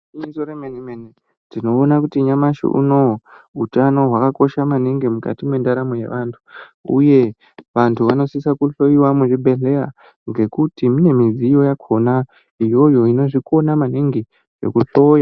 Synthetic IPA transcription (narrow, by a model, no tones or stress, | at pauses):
isoɾemenimene | tino̞ːnakutiɲamaʃḭʔṵno̞utano̞ɦwakako̞ʃamaniŋɡimuka̰timwe̞ndaɾamoje̞̰ʋantʰu̥ṵje̞ | ʋantʰuʋano̞sisakuɬo̞iwamuʐibʱe̞ɮe̞a̰ | ŋɡe̞kutimine̞mizijo̞jakʰo̞na | ijo̞jo̞ino̞ʐiko̞namaniŋɡi | ʐe̞̰kuɬo̞ja